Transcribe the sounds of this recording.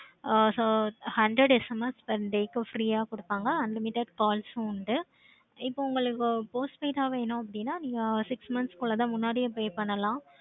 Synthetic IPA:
soːhɐɳɖɾɐɽɛsɐmɐspɐɾɖeːkɐfɾiːaːkɔɽɯpːaːŋɡɐɐnlɪmɪʈːɐɖkaːlsunɖɯ | ɪpːoʊŋɡɐɭɯkːɯpoːsʈpeːʈaːʋeːnʊ̃ɐp̬ːɐɽɪnːaːniːŋɡɐsɪksmɐnskʊɭːɐt̪ãːmʊnːaːɽijɐpoːjpɐɳːɐlãː

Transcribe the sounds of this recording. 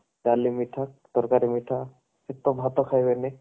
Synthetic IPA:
dalimiʈʰak̚d̪̥ɔɾkaɾimitʰa | et̪ɔbʱat̪ɔkʰajbɛnɛ

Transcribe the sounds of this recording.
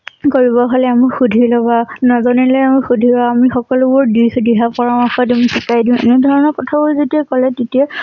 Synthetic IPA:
koɹibɔɦolɛamuxudʱilɔbanɔzɔnɛlɛamʊxudʱibaːmixɔkɔlʊbʊɹdisdiɦapɔɹamaxɔdimisikajdĩʊ̃ḛnɛdʱɔɹɔnɔɹkɔtʰaboizotiakɔlɛtetia

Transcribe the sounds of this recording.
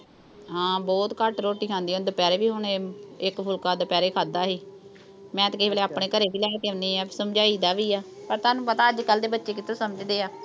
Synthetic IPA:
ɦãːbɔːt̪kəʈɾoːʈiːkʰãːnd̪iːõd̪əpɛːɾeːbiːɦʊɳːɪkpʰʊlkaːd̪əpɛːɾeːkʰaːd̪aːɦiː | mɛ̃ːt̪ːkɪibeːleːaːpɳeːkəɾeːbiːlɛːkeʊniːɛːpːsəmd͡ʒaːiːd̪aːʋiːaːpəɾt̪aːnũːpət̪aːəd͡ʒkəld̪eːbətːʃeːk̬ɪt̪õːsəməd͡ʒd̪eːaː

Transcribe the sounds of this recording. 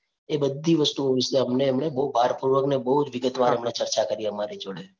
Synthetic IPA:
ebəd̪ʱːiʋəst̪uoʋiseəmneːmɳebəubʱaɾpuɾʋəɡnebəɦud͡ʒʋɪɡət̪ʋaɾəmɳet͡ʃəɾt͡ʃakəɾiəmaɾed͡ʒoɭe

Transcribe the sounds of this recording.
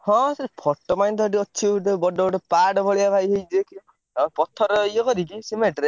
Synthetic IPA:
hɔ̃spʰɔʈːɔmajnt̪ʰɔɔʈ̬iɔt͡ʃʰiʈɔbɔɖɔbɔʈɔpaɖɔbʱɔɭijabʱajɦejd͡ʒeki | ɔpɔt̪ʰːɔɾɔjɔkɔɾikisimeʈɾe

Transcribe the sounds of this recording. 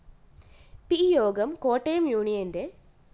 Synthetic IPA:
pijoːɡɐmkoːʈːejɐmjuːɳijɐnde

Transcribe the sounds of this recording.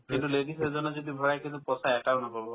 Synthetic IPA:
kint̪uleɖisɛd͡ʒɔnɔd͡ʒɔd̪ibʱɔɽajkʰilupɔsaɛʈaɾnɔkɔɾɔ

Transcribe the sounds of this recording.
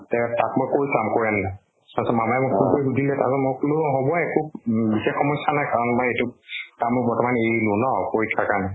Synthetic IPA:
tɛtat̚mɔjkoɹisamkoɹianna | tasɔmamaɛmɔkukoɹiɡudʱilɛta̰zɔmɔklʊɦobɔɛkubixexːɔmɔsanajkaɹɔnmɔjetʊtamʊbɔɹtɔmanejlunɔkoɹitʰːakana

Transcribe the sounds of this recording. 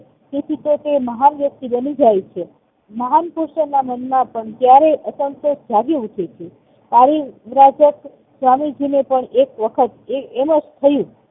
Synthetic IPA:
t̪et̪ʰit̪ot̪eməɦanʋjək̚t̪ibənid͡ʒajt͡ʃʰe | məɦanpuɾʃənamənmapəɳt̪jaɾeʔəsəmsod͡ʒaɡeuʈʰet͡ʃʰe | paɾiʋɾad͡ʒək | sʋamid͡ʒinepəɳekʋəkʰət̪eeməd͡ʒt̪ʰəjũ

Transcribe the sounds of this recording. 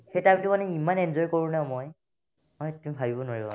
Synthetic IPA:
xejtabitʊmanɛimanɛnzɔjkoɹũnãmɔj | ɔtumibʱabibɔnwaɹibɔ̰

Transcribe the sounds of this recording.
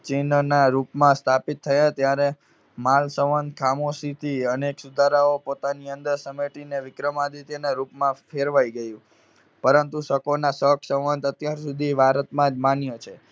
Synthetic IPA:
t͡ʃɪnnaɾupmãst̪ʰapit̪ʰːəjat̪jaɾe | malsəʋənd̪̚kʰamosit̪ʰiəneksud̪ʱaɾaopot̪aniənd̪əɾsəmeʈineʋɪkɾəmad̪it̪enaɾupmãfʰeɾʋajɡəjũ | pəɾənt̪usəkonasəkʰsəʋənd̪ət̪jaɾsud̪ʱiʋaɾət̪mãd͡ʒmanjot͡ʃʰe

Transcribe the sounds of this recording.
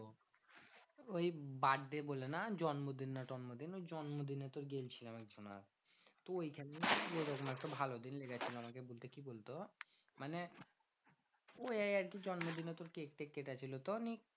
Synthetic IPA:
o | ojbaɖd̪ebolenad͡ʑɔnmod̪inːaʈɔnmod̪inojd͡ʑɔnmod̪inet̪oɾɡelt͡ɕʰilamɛk̚d͡ʑʱona̰ɾ | t̪oojkʰɛneioɾokomaɛk̚ʈabʱalod̪inleɡat͡ɕʰiloamakebolt̪ekibolt̪omane | ojajaɾkid͡ʑɔnmod̪inet̪oɾkek̚ʈekːeʈat͡ɕʰilot̪onik

